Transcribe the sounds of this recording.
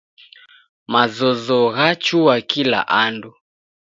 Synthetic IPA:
mazɔzɔɣat͡ʃuwakila̰ʔandu

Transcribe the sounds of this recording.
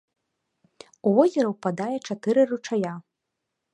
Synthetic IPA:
uvɔzʲɛɾɐwpad̪ajɛt͡ʂat̪ɨɾɨrut͡ʂaja

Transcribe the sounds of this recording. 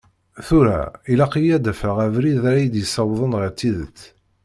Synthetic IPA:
θuɾæ̰ilæqijæd̪æfəʁævɾiðɾæjəd̪jəsˤɑwðˤənʁəɾt͡sːiðə̰t͡s̪ː

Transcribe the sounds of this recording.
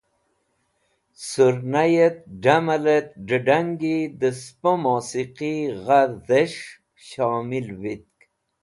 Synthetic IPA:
suɾnajet̪̚ɖamɐlet̪̚ɖəɖaŋɡid̪əspomoːsiqiɣaɾzeʂ | ɕaːmilvit̪̚k

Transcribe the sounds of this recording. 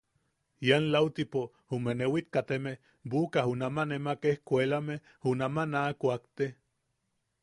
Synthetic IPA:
janlawt̪ipo | humenewit̪̚kat̪emeh | bukaɦunamanemakehkʷelameh | hunamanakʷakt̪e

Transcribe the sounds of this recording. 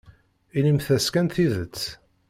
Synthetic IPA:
inimθæskænθiðət͡sː

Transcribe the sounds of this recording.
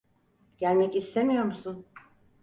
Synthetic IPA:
ɟ̥ælʲmɛcist̪ʰemijo̞ɾmusun

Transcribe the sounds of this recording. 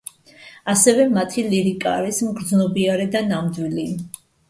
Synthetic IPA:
asɛvɛmat̪ʰiliɾikʼaːɾismɡɾd̪znɔbiaɾɛd̪anamd̪wili

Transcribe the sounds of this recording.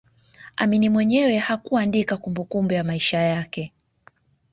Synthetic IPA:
a̰minimwɛɲɛwɛhakuandikakumbukumbujamaiʃajakɛ

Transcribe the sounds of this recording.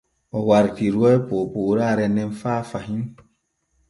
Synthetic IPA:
ɔwaɾtiɾwɛpopoɾaɾɛnɛnfaːfaɦin

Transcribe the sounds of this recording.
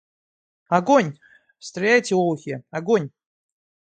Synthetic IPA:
ɐɡonʲ | fst̪ɾʲɪajtʲɪoxʲɪɐɡonʲ

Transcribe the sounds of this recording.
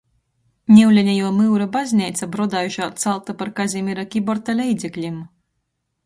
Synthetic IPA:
nʲɛwlʲɛnʲɛjuɔmɨwɾabazʲnʲiːt̪sabɾɔd̪aːjuʃaːt̪salˠt̪apaɾkazʲimiɾakʲibɔɾt̪alʲɛjd̪zʲɛklʲim

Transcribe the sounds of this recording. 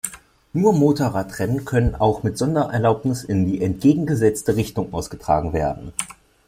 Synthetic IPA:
nuːɐmoːtoʁatʁ̥ɛnənkʰœnənʔaʊxmɪtz̥ɔndɐʔɛɐlaʊpnɪsɪndiːʔɛntɡ̥eːɡŋ̩ɡəzɛt͡stəʁɪçtʊŋʔaʊsɡ̥ətʁ̥a̰ːɡŋ̩vḛːɐdn̩

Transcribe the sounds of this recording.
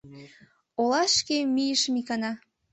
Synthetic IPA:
olɑʃkemijəʃmikɑnɑ

